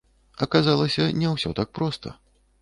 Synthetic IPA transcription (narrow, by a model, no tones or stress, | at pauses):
ɐkazalˠɐsʲɐnʲɛwsʲɔt̪ak̚pɾɔst̪ɐ̰